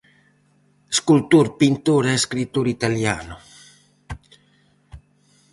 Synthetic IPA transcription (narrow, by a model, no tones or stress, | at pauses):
skult̪uɾpint̪uːɾɛskɾit̪ːuɾit̪aljaːnʊ